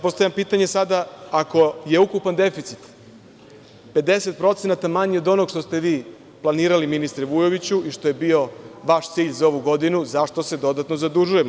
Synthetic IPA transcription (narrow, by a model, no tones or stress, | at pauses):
po̞st̪avʎʲampiːt̪aɲesad̪aako̞je̞ukupand̪e̞fit̪sit̪ | pe̞d̪e̞set̪̚pɾo̞t̪senat̪amaɲio̞d̪o̞no̞ɡʃt̪o̞st̪e̞ʋiː | plˠaniːɾaliminist̪ɾeʋujo̞ʋit͡ɕuʔiʃt̪o̞jebio̞ʋaʃt̪siːʎzao̞ʋuɡo̞d̪inuzaʃt̪o̞se̞d̪o̞d̪at̪nozad̪uʒujem